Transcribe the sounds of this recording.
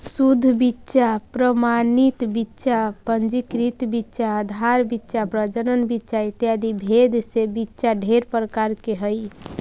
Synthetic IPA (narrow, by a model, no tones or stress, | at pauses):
sud̪ʱːbitːʃapɾəmanit̪bitːʃapənd͡ʒikɾit̪bitːʃaːd̪ʱaɾbitːʃapɾəd͡ʒənənbitːʃait̪jad̪ibʱed̪ʱsebitːʃaɖʱeɾpəɾəkaɾkeɦəj